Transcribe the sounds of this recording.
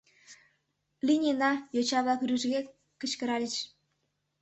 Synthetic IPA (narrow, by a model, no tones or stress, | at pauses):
linʲenɑjot͡ɕɑβlɑkɾyʒɣe | kət͡ɕkəɾɑlʲət͡ɕ